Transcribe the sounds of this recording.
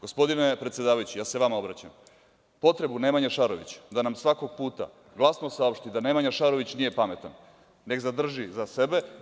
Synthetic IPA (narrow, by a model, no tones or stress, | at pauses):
ɡ̥o̞spo̞d̪ine̞pɾet̪sjed̪aːʋajut͡ɕijaːseʋamao̞bɾat͡ɕam | po̞t̪ɾe̞bunemaɲaʃaɾoʋḭt͡ɕd̪anamsʋako̞ɡ̥̚puːt̪a̰ | ɡlˠasnosao̞pʃt̪id̪ane̞maɲaʃaɾo̞ʋit͡ɕnije̞pame̞t̪an | ne̞ɡzad̪r̩ʒizase̞be̞